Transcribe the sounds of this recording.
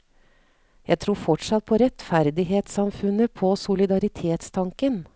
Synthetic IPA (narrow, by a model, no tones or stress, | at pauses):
jæɪt̪ʰɾuːɾfɔʈʂɑt̪̚pʰɔɾɛt̪fæɾd̪ɪɦeːt̪sɑmfʉnəpʰɔsʊlɪd̪ɑɾɪt̪ʰeːt̪st̪ʰɑŋkən